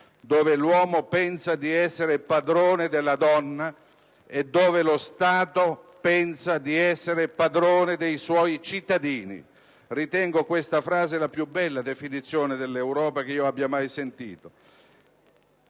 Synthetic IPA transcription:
d̪oːvelwɔːmopɛnsad̪iɛsːeɾepad̪ɾoːned̪elːad̪ɔnːa | ed̪ːoːvelost̪aːt̪opɛnsad̪iɛsːeɾepad̪ɾoːned̪ejswɔːjt͡ʃit̪ːad̪iːnḭ | rit̪ɛŋɡokwest̪afɾaːzelapjubːɛlːad̪efinit̪sːjoːned̪elːewɾɔːpak̟eiːoabːjamajsent̪ḭːt̪o

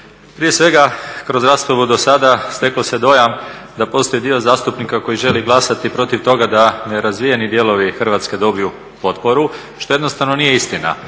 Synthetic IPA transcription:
pɾije̞sʋe̞ɡakɾo̞zɾaːspɾaʋud̪o̞sad̪ast̪e̞klose̞d̪o̞jamd̪apo̞st̪o̞jid̪iːo̞zaːst̪upnikako̞jiʒe̞liɡlˠasat̪ipɾo̞t̪iʋt̪o̞ɡad̪aneɾazʋijenid̪je̞ːlo̞ʋixr̩ʋat̪ske̞d̪o̞biju | po̞t̪po̞ɾu | ʃt̪o̞jeno̞st̪aʋno̞nijeist̪ina̰

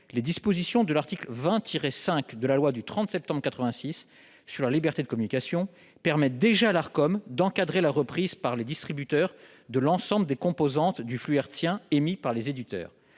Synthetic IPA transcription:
led̪ispozisjɔ̃d̪əlaʁt̪ikləvɛ̃t̪ʰiʁesɛ̃kd̪əlalwad̪yt̪χɑ̃t̪sɛp̚t̪ɑ̃bʁəkat̪χəvɛ̃sisː | yʁlalibɛʁt̪ed̪əkɔmynikasjɔ̃ | pɛʁmɛt̪̚d̪eʒaːlaʁkɔmd̪ɑ̃kad̪ʁelaʁəpχizpaʁled̪ist̪χibyt̪œʁ | d̪əlɑ̃sɑ̃bləd̪ekɔ̃pozɑ̃t̪d̪yflyɛʁsjɛ̃emipaʁlezed̪it̪œ̰ːʁ

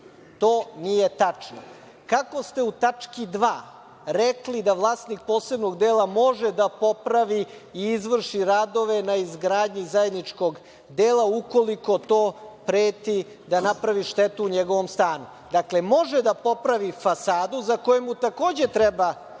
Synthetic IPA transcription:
t̪o̞ːnije̞t̪at͡ʂno̰ | kako̞st̪e̞ut̪at͡ʂkid̪ʋaː | ɾeklid̪aʋlˠaːst̪nik̚po̞ːse̞bno̞ɡd̪eːlˠamo̞ʒed̪apo̞pɾaʋiːzʋr̩ʃiɾaːd̪o̞ʋe̞naizɡɾaːd̪ɲizaje̞d̪nit͡ʂko̞ɡ | d̪eːlauko̞liko̞t̪o̞ːpɾeːt̪i | d̪anapɾaʋiʃt̪et̪uuɲeɡo̞ʋo̞mst̪aːnu | d̪akle̞mo̞ʒed̪apo̞pɾaʋifasaːd̪uzako̞jemut̪ako̞ːd͡ʑe̞t̪ɾɛba

